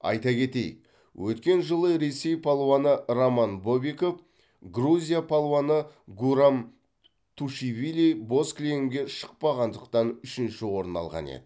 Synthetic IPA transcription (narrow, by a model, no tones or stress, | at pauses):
ɑ̰jt̪ɑkʲʰe̞t̪ḛj | wʔɵt̪kʲe̞nʒəlˠəɾe̞se̞jpʰolˠoanəromanbobiko̞f | ɡruzʲijapʰolˠoanəɡuɾam | t̪ʰuʃivilʲijbo̞sklʲeɪmɡʲe̞ʃə̥q̚pɑʁɑnd̪əqt̪ɑnʏʃɪnʃɪwo̞ɾənɑ̰lˠʁɑ̰nḛd̪̥ɪ